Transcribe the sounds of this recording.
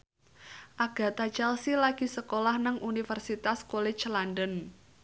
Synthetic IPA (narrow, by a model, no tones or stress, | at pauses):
ʔaɡ̥a̤t̪at͡ʃɛlsilaɡ̥i̤səkolahnəŋʔunifərsit̪askole̥t͡ʃlandən